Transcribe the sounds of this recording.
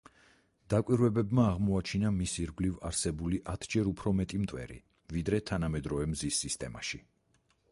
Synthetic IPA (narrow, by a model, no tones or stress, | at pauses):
d̪̥akʼwiɾvɛbɛbmaːʁmɔat͡ʃʰinamisiɾɡlivaɾsɛbuliʔat̪ʰd͡ʒɛɾupʰɾɔmɛt̪ʼimt̪ʼwɛ̰ɾḭ | vid̪ɾɛt̪ʰanamɛd̪ɾɔvɛmzisːist̪ʼɛma̰ʃi